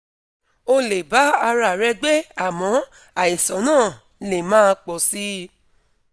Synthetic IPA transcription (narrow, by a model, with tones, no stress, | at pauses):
o˧le˨ba˨˦a˧ɾa˦˨ɾɛ˧ɡ͡be˦a˦˨mɔ̃˨˦ | a˨i˨sɔ̃˨˦nãː˦˨ | le˨mãː˦˧k͡pɔ˨si˦